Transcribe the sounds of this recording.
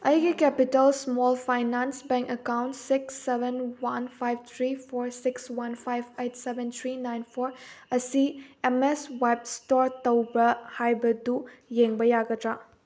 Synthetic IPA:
ɐjɡikɛpitəlsmɔlpʰajnansbɛ̃ŋkəkawntsiksːebenwanpʰajb̚t̪ʰɾipʰoɾsikswanpʰajbejtsebɛnt̪ʰɾinajnpʰoɾɐsiemesweb̚stɔɾt̪ɐwbɐhajbɐdujeŋbɐjaɡɐtɾa

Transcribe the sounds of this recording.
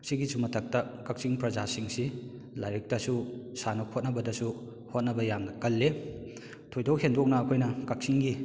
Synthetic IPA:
ksiɡisumɐtʰɐk̚tɐkɐk̚siŋpɾɐzasiŋsi | lajɾik̚tɐsusanokhot̚nɐbɐdɐsu | hot̚nɐbɐjamnɐkɐlːe | tʰojdowhendok̚nɐːkʰojnɐkɐk̚siŋɡi

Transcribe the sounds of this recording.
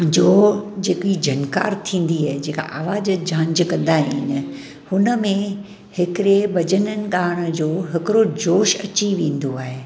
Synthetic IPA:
d͡ʑoːd͡ʑeːkid͡ʑʱɐnka̰ːɾt̪ʰĩːn̆d̪iaːɦed͡ʑeːka̰ʔaːʋaːd͡ʑd͡ʑʱãːɲd͡ʑkɐ̃nd̪aɦiːnɪ̆ | hʊnə̆mẽ | hɪkɪɾebɐd͡ʑənənɪ̆ɠaːɽ̃̆d͡ʑoːɦɪkɪɾod͡ʑoːʃɐ̰t͡ɕiʋẽːnd̪oaːɦeː

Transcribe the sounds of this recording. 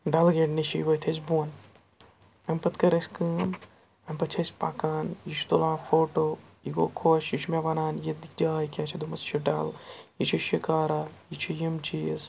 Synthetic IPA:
ɖalɡeɖniʃḭjʋɐt̪ʰɐsʲbun | ɐmpɐt̪kɐɾɐsʲkɨːm | ɐmpɐt͡ʃʰɐsʲpa̰ːkaːnjit͡ʃʰt̪ulaːfoːʈoːiɡoːkʰoːʃjit͡ʃʰmeʋɐnaːnjed̪ikʰd͡ʒaːjkʲat͡ʃʰid̪umɐst͡ʃʰiɖɐːljit͡ʃʰiʃikaːɾajit͡ʃʰijimt͡ʃiz

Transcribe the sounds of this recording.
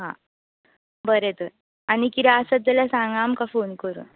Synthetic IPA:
ɦã | bəɾet̪əɾ | añikit̪ɛəsəd͡zəlasãŋɡamkafonkəɾṵn

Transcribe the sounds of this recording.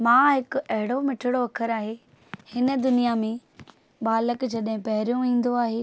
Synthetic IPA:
mãːɦɪkʊɐɦɪɽomɪʈʰɪɽoɐkʰəɾaːɦe | hɪnə̆d̪ʊnijamẽ | ɓaːləkd͡ʑɐɗɦɪ̃pɐɦɪɾijũĩːn̆d̪oaːɦeː

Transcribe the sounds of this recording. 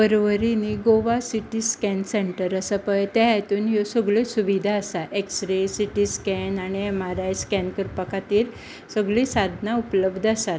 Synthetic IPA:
bəɾʋəɾiniɡoʋasiʈiskɛnseɳʈəɾəsapəjt̪jajat̪uːnjosəɡɭesuʋid̪ʱaəsaʔeksɾesiʈiskɛnaɽ̃iemaɾaskɛnkəɾpəkat̪iːɾ | səɡɭisad̪ʱnaupləbd̪ʱəsat̪

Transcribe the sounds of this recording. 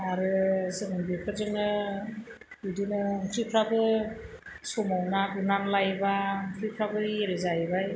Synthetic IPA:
aɾɯzɯŋɯnbipʰɯzɯŋɯ | idinɯŋkʰɾipʰɾabɯ | sɔmawnaɡɯnanlajbaŋkʰɾipʰɾabɯeɾezabaj

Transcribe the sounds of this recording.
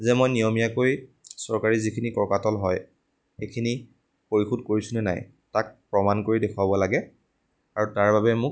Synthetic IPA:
zɛmojnijomijakojsɔɹkaɹizikʰinikɔkatɔlɦɔj | xekʰini | poɹixudkoɹisʊnɛna̰j | tak̚pɹɔmankoɹidekʰwabɔlaɡɛ | aɹutaɹbabɛmʊk

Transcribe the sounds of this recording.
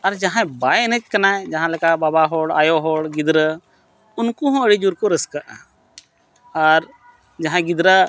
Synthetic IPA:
ɐɾd͡ʒaɦãbajnət͡ʃkɐnaɛ̃d͡ʒaɦãlɛkababaɦɔɽa̰jɔɦɔɽɡid̪ɾə | ʊnkuɦɔ̃əɽid͡ʒuɾkoɾəskəʔã̰ | aɾ | d͡ʒaɦãɡid̪ɾə

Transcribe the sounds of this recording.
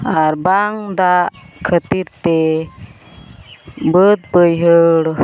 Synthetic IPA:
aɾbaŋd̪akʰət̪iɾt̪e | bəd̪̚pəjɦəɽ

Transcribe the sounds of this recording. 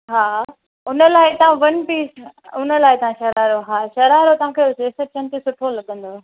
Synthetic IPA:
ɦaː | ʊnəlaːɪt̪ɐʋãʋɐnpiːsʊnə̆laːɪt̪ɐʋãʃɐɾaːɪɾoɦaːʃɐɾaːɾot̪ɐɦãkʰeʊseːsɐɾ̚t͡ɕɐnt̪ʰesʊʈʰolɐɠə̃nd̪oː

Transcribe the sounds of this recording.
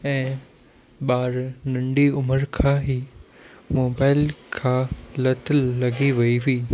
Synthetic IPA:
ɛ̃ː | ɓaːɾnɐ̃ɳɖiʊməɾkʰãːɦiː | moːbaːɪlkʰãːlɐt̪əlːɐɡiʋɐiɦʊiː

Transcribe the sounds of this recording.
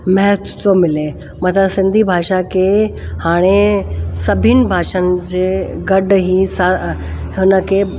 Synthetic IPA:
mɛɦət̪ʰd͡ʑomɪle | mɐt̪ʰləsɪ̃nd̪ʱibʱaːʃakʰehaːɽ̃esɐbʱɪnɪ̆bʱaːʃənɪ̆d͡ʑeːɡɐɖɦisa | ɦʊnəkʰeː

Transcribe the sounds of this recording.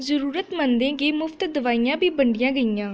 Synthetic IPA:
zəɾuːɾət̪mənd̪ẽːɡeːmʊft̪d̪əʋaːijãːbʱiːbəɳɖɪjãːɡəijãː

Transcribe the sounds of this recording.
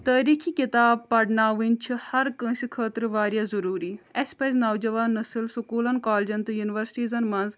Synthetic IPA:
t̪aːɾiːkʰiːkɪt̪aːb̚pɐɽnaːʋɪnt͡ʃʰhɐɾkə̃sikʰəːt̪ɾʋaːɾjaːzɐɾuːɾiːɛspɐznaːd͡ʒɐʋaːnːəsəlsʊkuːlənkaːld͡ʒɐnt̪juːnɪʋəɾsʈiːzɐnmɐnz

